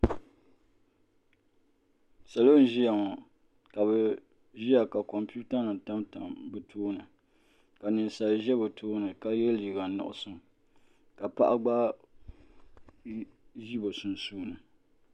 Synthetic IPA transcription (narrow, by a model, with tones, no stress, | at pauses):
sa˨lo˦n̩˦ʒi˦ja˨ŋɔ˨ | ka˨βɛ˨ | ʒi˦ja˨ka˨kɔ˨mpu˦ta˦nɨ˨ta˦mta˨mbɨ˨tʰoː˦nɨ˨ | ka˨nɨ˨sa˨ʒɛ˦bɨ˨tʰoː˦nɨ˨ka˦jɛ˦li˨ɡa˨nʊ̰˨ʔʊ̰˦sɨ˦m | ka˨pa˦ʔa˦ɡ͡ba˦ | ʒi˦bo˨su˨n˨suː˦nɨ˨